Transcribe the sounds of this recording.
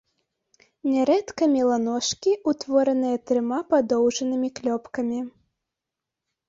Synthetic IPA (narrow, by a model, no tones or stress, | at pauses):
nʲɛɾɛt̪kɐmʲilˠanɔʂkʲiut̪vɔɾɐnɨjɐt̪ɾɨmapad̪ɔwʐɐnɨmʲiklʲɔpkɐmʲi